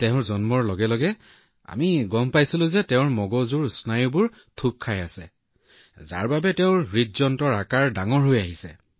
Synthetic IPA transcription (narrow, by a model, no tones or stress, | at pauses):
tɛʊ̃ɹzɔnmɔɹlɔɡɛlɔɡɛ | a̰miɡɔmpajsilʊ̃zɛtɛʊ̃ɹmɔɡɔzuɹsnajʊbʊɹ | tʰup̚kʰajasɛ̰ | za̰ɹbabɛtɛʊ̃ɹitzɔntɔɹakaɹdaŋɔɹɦojaɦisɛ